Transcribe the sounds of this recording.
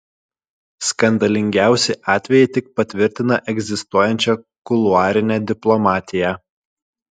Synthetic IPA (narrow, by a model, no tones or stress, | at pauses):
skɐnd̪ɐlʲɪŋʲɡʲæˑʊsʲɪʔɑːt̪ʲʋʲɛjɪt̪ʲɪk̚pɐt̪ʲʋʲɪɾʲt̪ʲɪnɐʔɛɡʲzʲɪst̪uɔjɛnʲt͡ʃʲɛ | kʊlˠʊɑːɾʲɪnʲɛd̪ʲɪplˠɔmɑːt̪ʲɪjæ